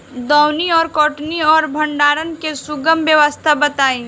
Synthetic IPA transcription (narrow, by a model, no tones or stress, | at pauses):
d̪ɔwniɔːɾkɔːʈniɔːɾbʱə̃ɳɖaːɾənkesʊɡəmbjəʋəst̪ʰabət̪aːĩː